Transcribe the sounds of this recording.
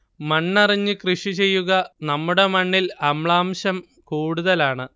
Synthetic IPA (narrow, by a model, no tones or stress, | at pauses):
mɐɳːɐriɲːɨkrɨʂit͡ɕe̞jːuɣɐnɐmːuɽe̞mɐɳːilɐmɭaːmɕɐm | kuːɽuðɐlaːɳɨ